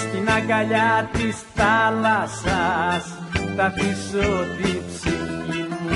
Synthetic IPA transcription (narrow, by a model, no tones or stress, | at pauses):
inakaʎat̪ist̪alasas | t̪afisod̪ipsiin